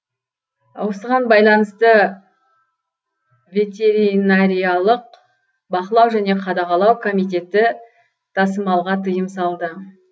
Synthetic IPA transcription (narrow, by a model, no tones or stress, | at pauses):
wosəʁɑnbɑjlˠɑnəst̪ə | vʲe̞t̪e̞ɾinaɾijɑlˠəq̚ | bɑqəlˠɑwʒæne̞qʰɑd̪ɑʁɑlˠɑwkʰo̞mijt̪̬e̞t̪ɪ | t̪ʰɑsəmɑlˠʁɑt̪ʰəjəmsɑlˠd̪ə